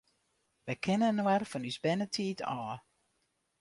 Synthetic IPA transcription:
ʋɛjkʰɪnənwɛrfɔnysbɛnətʰiːtɔː

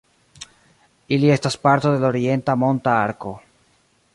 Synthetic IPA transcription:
ilie̞staspaɾt̪oðe̞loɾie̞nt̪amo̞nt̪aaɾko̞

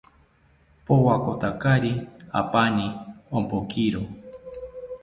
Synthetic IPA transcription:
powakot̪akaɾia̰paniompokʰiɾo

